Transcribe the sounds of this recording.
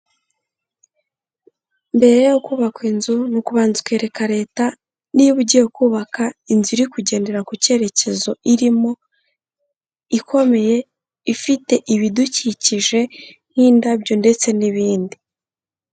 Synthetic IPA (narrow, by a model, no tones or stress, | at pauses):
mbe̞ɾejokuːβakwinzunukuβaːnzu̥kwe̞ːɾe̞kaɾe̞ːta | niβuɟiokuːβakainzuɾikuɟe̞ːnde̞ɾakuce̞ɾe̞ce̞zo̞iɾimo̞ | ikʰo̞me̞je̞ | ifite̞ʔiβiduciciʒe̞ | n̥iːndabɟo̞nde̞t͡se̞niβiːndi